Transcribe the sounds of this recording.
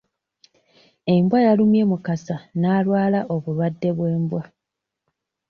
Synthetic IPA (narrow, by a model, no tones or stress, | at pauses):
e̞mbwajalumje̞mukasanaːlwaːlaʔo̞βulwadːe̞βwe̞ːmbwa